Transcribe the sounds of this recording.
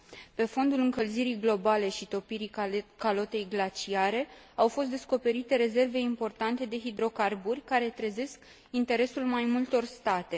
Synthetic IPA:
pe̞fo̞nd̪ulɨŋkəlziɾijɡlo̞bale̞ʃit̪o̞piɾikalo̞t̪e̞jɡlat͡ʃiaɾe̞ | awfo̞s̬t̪d̪e̞sko̞pe̞ɾit̪e̞ɾe̞ze̞rve̞impo̞rt̪ant̪e̞d̪e̞ɦid̪ɾo̞karburʲkaɾe̞t̪ɾəze̞sk | int̪e̞ɾe̞sulmajmult̪o̞rst̪at̪e̞

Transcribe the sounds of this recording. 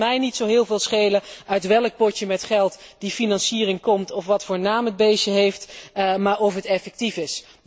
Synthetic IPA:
mɛjnitsowɦɪːlˠvɪːlˠsχejləœɥtʋɛlˠək̚pɔtəmɛtχɛlˠtdifinɑnsiːrɪŋkɔmtɔfʋɑtfʊːɹnaːməd̚bejʃəɦejftmaːɹɔfɦətɛfɛk̚tifɪs

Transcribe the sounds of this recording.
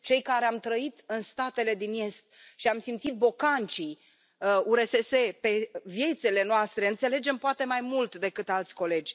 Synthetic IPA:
t͡ʃe̞jkaɾe̞amt̪ɾəit̪ɨnst̪at̪e̞le̞d̪ine̞st̪̚ʃiamsimt̪sit̪̚bo̞kant͡ʃi | uɾe̞sese̞pe̞vje̞t̪sele̞noast̪ɾeɨnt̪se̞le̞d͡ʒe̞mpoat̪e̞majmult̪d̪e̞kɨt̪alt̪sʲko̞le̞d͡ʒʲ

